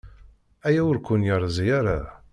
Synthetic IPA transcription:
æjæwʊɾkʷːʊnjəɾˤzjaɾa

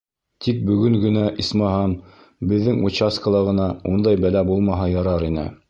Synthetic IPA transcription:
t̪ʰik̚bɵ̆ɡɵŋɡɘ̆næʔismɑɦɑm | bɘ̆ðːɘŋut͡ɕaskəlˠɑʁɤ̆nɑund̪ɑjbælæbulˠmɑɦɑjɑɾɑɾinɘ̰

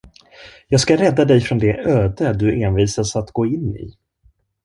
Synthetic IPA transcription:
jɑːɡskaɾɛd̪ːad̪ɛjfɾɔnd̪ɛʔøːd̪əd̪ɵʔeːnviːsasat̪ɡoːɪnːɪ̰

